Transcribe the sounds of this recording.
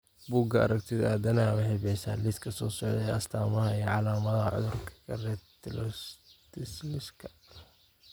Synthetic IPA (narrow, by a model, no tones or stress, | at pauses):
buːɡɐɐ̰ɾɐɡt̪ʰɪd̪aːd̪ɐnawɐhɛbɛsa̰ːlɪskʰɐsɔːsɔʕðɐɛɐst̪ʰaːmɐhɐiɔʕɑlaːmɐðɐhɐʕʊ̰ðʊrkʰɐ̥ɡɐrɛːd̪t̪ʰɪlɔt̪ɪslɪskʰɐ̥